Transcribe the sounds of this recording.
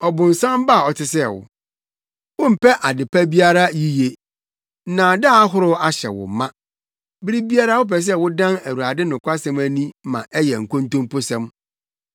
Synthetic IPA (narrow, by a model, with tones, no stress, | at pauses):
ɔ˨bʊ̃˨n˨sã˦mba˦˨ɔ˨tʰɪ˨sɛ˦˨wʊ̰˨ | wʊ̃˦m̩˨pɛ˦ʔa˨dɪ˨pʰa˦bi˦a˦ɾa˦ji˦je˨˦ | nã˨da˦˨a˦ɦʊ˦ɾʊ˦a˦ɕɛ̰˨wʊ̰˨˦mã˦ | bɪ˦ɾi˦bi˦a˦ɾa˦wʊ˦pɛ˨s̬ɛ˦wʊ˦dã˦næ˨wu˨ɾa˨dɪ˦nʊ̃˨kʷa˦sɛ̃˦mæ˦nĩ˦mã̰˨ʔɛ˦jɛ̰˨ŋ̩˨kõ˦n˦tõ˦mpʊ˦sɛ̃˦m